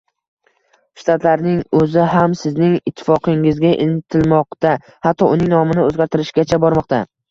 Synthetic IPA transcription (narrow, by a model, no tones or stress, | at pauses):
ʃt̪ʰat̪ʰlaɾnɪŋɵzɪɦamsɪznɪŋɪt̪ʰːɪ̥fɒqʰɪŋɪzɡʲaʔɪnt̪ʰɪlmɒqt̪a | hat̪ʰːɒʊnɪŋnɒmɪnɪɵzɡʲaɾt̪ʰɪɾɪʃɡʲat͡ʃʰabɒɾmɒqt̪ʰa